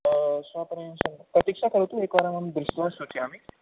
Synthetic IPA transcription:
sʋapɾesəŋpɾɐt̪ikʂakəɾt̪uekʋaɾamamd̪ɾuɕt̪ʋasot͡ɕiamiː

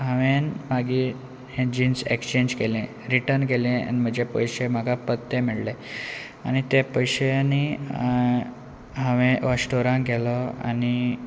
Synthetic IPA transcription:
ɦəʋenmaɡiː | hẽd͡ʑinsḛkst͡ɕeɲd͡ʑkelẽ | ɾiʈəɾnkelẽa̰nim̤əd͡ʑepəjɕem̤aɡʱapət̪ːemiɭle | a̰ñit̪epəjɕeani | ɦəʋẽʋəɕʈoɾãŋɡʱɛlɔa̰ni

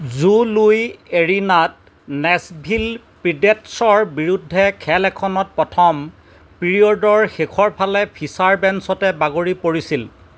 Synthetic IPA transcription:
zulujeɹinat̚ | nɛsbʱil | pɹidetsɔɹbiɹudʱːɛkʰɛlɛkʰɔnɔt̚pɹɔtʰɔm | piɹiɔdɔɹxekʰɔɹpʰalɛpʰisaɹbɛnsɔtɛbaɡoɹipoɹisil

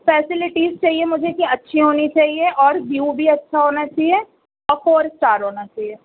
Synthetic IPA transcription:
fɛːsɪlɪʈiːzt͡ʃaːɦiemʊd͡ʒʱekiɐtːʃʰiɦoːnit͡ʃaːɦieʔɔːɾɖiubʱiɐtːʃʰaɦoːnat͡ʃaːɦie | ɔːkoːɾsʈaːɾɦoːnat͡ʃaːɦieː

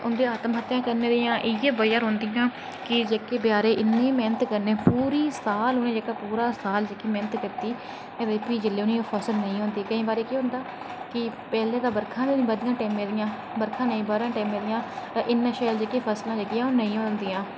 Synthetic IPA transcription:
ʊnd̪eːaːt̪mɦət̪ːjãːkəɾneːd̪eːãːʔɪjeːbəjaːɾɦõːnd̪ijãː | kɪd͡ʒeːkeːbjaːɾeːʔɪnːẽːmɛːnət̪kəɾneːpuːɾiːsaːlʊnẽːd͡ʒeːkaːpuːɾaːsaːld͡ʒeːkiːmɛːnət̪kəɾt̪iː | ed̪eːpiːd͡ʒəlːeːʊniːoːpʰəsəlnəĩːɦõːnd̪iːkəĩːbaːɾeːkiːɦʊ̃nd̪aː | kɪpɛːleːd̪aːbəɾkʰãːneːbəd̪ɪjãːʈɛːmẽːd̪ɪjãː | bəɾkʰãːnə̃ĩːbəːɾãːʈɛːmẽːd̪ɪjãːʔɪnːãːʃəːld͡ʒeːkeːpʰəslãːd͡ʒeːkɪjãːoːnəĩːɦõːnd̪iːãː

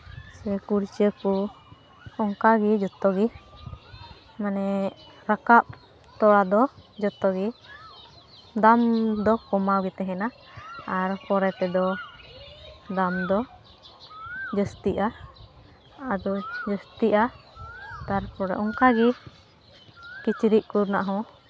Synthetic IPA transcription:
sɛkuɾt͡ʃəku | ɔŋkaɡɛd͡ʒɔt̪ɔɡi | manɛ | ɾakap̚ | t̪ɔɽad̪ɔd͡ʒɔt̪ɔɡi | d̪amd̪ɔkɔmawɡɛt̪ɛɦɛna | aɾkɔɾɛt̪ɛd̪ɔ | d̪amd̪ɔ | d͡ʒəst̪iʔa | ad̪ɔd͡ʒəst̪iʔa | t̪aɾpɔɾɛ̰ʔɔŋkaɡi | kit͡ʃiɾiʔkuɾnaʔaɦɔ̃

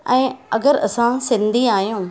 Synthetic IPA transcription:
ɛ̃ːɐɡəɾɐ̰sãsɪ̃nd̪ʱiaːɦijũː

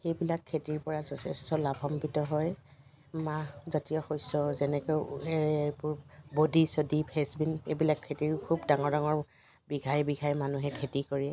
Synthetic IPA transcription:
xejbilakʰːetiɹpɔɹazɔtʰɛstɔlabʱɔmpitɔɦɔj | mazatijɔxojsɔzɛnɛkɔɛɹɛpʊɹbodisodipʰɛsbinebilakʰːetiɹkʰubdaŋɔɹdaŋɔɹ | biɡʱajbiɡʱajmanuɦɛkʰetikoɹiɛ

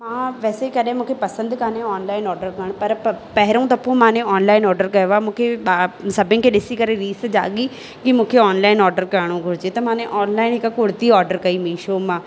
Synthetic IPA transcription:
mãːʋɛːsekəɗẽmũːkʰepɐsə̃nd̪kanẽɔːnlaːɪnɔːɾɖəɾkəɽ̃pɐɾpɛɦɾõːt̪ɐpːõːmãːnẽɔːnlaːɪnɔːɾɖəɾkɐjʋaːmũːkʰeɓaːsɐbɪ̃ːkʰeɗɪsiːkəɾeɾiːsd͡ʒa̰ːɠiː | kimũːkʰeɔːnlaːɪnɔːɾɖəɾkəɽ̃õːɡʱʊɾd͡ʒeːt̪ɐmãːnẽʔɔːnlaːɪnɪkkʊɽt̪iːɔːɾɖəɾkɐiːmĩːʃoːmãː

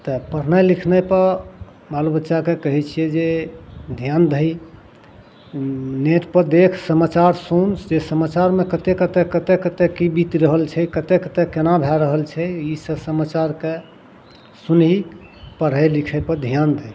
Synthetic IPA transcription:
t̪əpəɾ̤nəjlikʰnəjpəɾ | balobətːʃakekəɦɛt͡ʃʰijɛd͡ʒed̪ʱijand̪ʱəi | neʈpəɾd̪ekʰsəmat͡ʃaɾsunt͡ʃd͡ʒesəmat͡ʃaɾmekət̪ekət̪ɛkːət̪ekət̪ekːibit̪iɾəɦəlt͡ʃʰɛkət̪ekət̪ekːenabʱɛɾəɦəlt͡ʃʰɛisəsəmat͡ʃaɾke | sunɦi | pəɽ̤əjlikʰəpəd̪ʱijand̪ʱəj

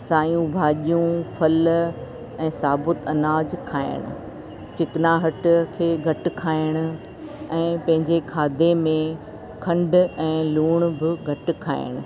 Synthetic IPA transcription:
saːjũbʱaːʄijũfɐl | ɛ̃ːsaːbʊt̪ɐnaːd͡ʑkʰaːɪ̰ɽ̃ʊ̰̆ | t͡ɕɪkɪnaɦɐʈkʰeːɡʱɐʈɪ̆kʰaːɪɽ̃ʊ̆ | ɛ̃ːpɐ̃ɦɪ̃ɲd͡ʑekʰaːd̪ʱemẽ | kʰɐ̃ɳɖɛ̃ːluːɽ̃bɪɡʱɐʈ̆kʰa̰ːɪ̰ɽ̃ʊ̆

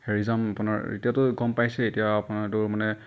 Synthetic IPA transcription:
heɹizamapʊna̰ɹḛtijatʊɡɔmpajsɛetijaːpʊnaɹtʊɹmanɛ

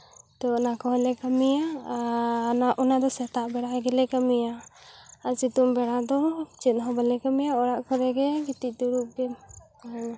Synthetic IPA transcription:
t̪ɔnakɔɦɛlɛkamija | naʔɔnad̪ɔsɛt̪aʔbɛɽaɡɛlɛkamija | asit̪umbɛɽad̪ɔt͡ʃɛt̪̚ˀɦɔbalɛkamijaɔɽaʔkɔɾɛɡɛɡit̪ic̚ˀd̪uɾup̚ɡɛ | aa

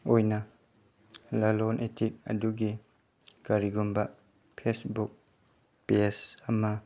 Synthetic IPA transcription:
ojnɐ | lalonʔetʰik̚ɐ̰duɡi | kaɾiɡumbɐ | pʰesbuk̚ | piesɐmɐ

